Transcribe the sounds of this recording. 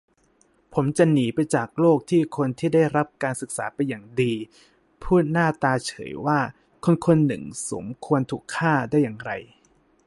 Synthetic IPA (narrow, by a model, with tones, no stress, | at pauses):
pʰo˩˦mt͡ɕa˨niː˩˦pa˧jt͡ɕaː˨˩k̚loː˥˩k̚t̪ʰiː˥˩kʰo˧nt̪ʰiː˥˩da˥˩jɾa˦˥p̚kaː˧nsɯ˨˩k̚sa̰ː˩˦pa˧jːaː˨˩ŋdiː˧ | pʰuː˥˩t̪̚naː˥˩t̪aː˧t͡ɕʰɤ̰ː˩˦jwaː˥˩ | kʰo˧nkʰo˧nːɯ̰˨˩ŋso̰˩˦mkʰu˧ənt̪ʰuː˨˩kʰːaː˥˩daː˥˩jːaː˨˩ŋɾa̰˧j